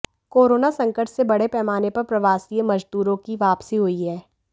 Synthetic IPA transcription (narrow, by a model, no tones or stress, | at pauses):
koːɾoːnasɐ̃ŋkəʈsebɐɽepɛːmaːnepɐɾpɾɐʋaːsiːemɐd͡ʒd̪uːɾõkiʋaːpsiɦoiɦɛː